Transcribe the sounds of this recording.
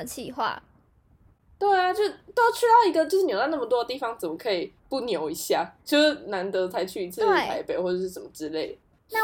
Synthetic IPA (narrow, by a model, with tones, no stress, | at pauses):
t͡ɕʰi˥˧xwa̰˥˩ | t̪we˥˩ɪa˨t͡ɕjo˥˧ʊ˩t̪o˥ʊʈ͡ʂʰy˥d̪ɑ˥˩ʊi˧˥ɡə˧t͡ɕjo˥˧ʊʂɻ̩˥˩jo˧ʊt̪na˥˩mə˩t̪wɔ˥ə˧t̪i˥˩fɑ˨˦ŋt͡sə˨˩nmə˦kʰɤ˧˥i˨˩pu˥˩njo˨˦ʊi˧˥ɕja̰˥˩t͡ɕjo˥˧ʊʂ̩˥˩na˧˥nt̪ɤ˧˦t͡sʰa˧˥ɪt͡ɕʰy˥˩i˧˥t͡s̩ʰ˥˧˥pa˧˦ɪpe˨˩ɪxwɔ˥˩ʈ͡ʂə˨˩ʂɻ̩˥˩ʂə˨˩mə˩ʈ͡ʂɻ̩˥˦le˥˩ɪ | a˥˨